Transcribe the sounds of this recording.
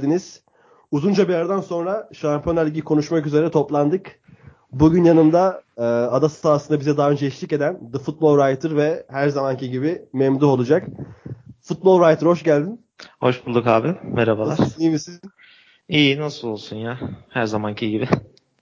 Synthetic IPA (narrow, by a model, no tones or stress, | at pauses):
d̪iniz̥ | uzund͡ʒabijaɾd̪anso̞nɾaʃampʰijo̞nælʲɟikʰo̞nuʃmakyze̞ɾɛt̪ʰo̞plˠand̪ɯk | buɟynjanɯmd̪aɯːad̪asaːsɯnd̪abizɛd̪aɦaø̞nd͡ʒɛiʃlʲice̞d̪ænd̪ɯfut̪̚bo̞lˠɾajt̪ʰɯɾvɛhæɾzamanciɟibimɛmd̪uo̞lˠud͡ʒak | fut̪̚bo̞lˠɾajt̪ɯɾho̞ʃɟælʲd̪in | ho̞ʃbulˠːukaːbimeɾabalˠaɾijmisin | iːnasɯlˠo̞lˠsunjahæɾzamancʰiɟibɪ